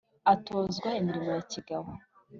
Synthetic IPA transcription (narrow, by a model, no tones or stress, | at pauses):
atoːzɡwaimiɾimojaciɡawo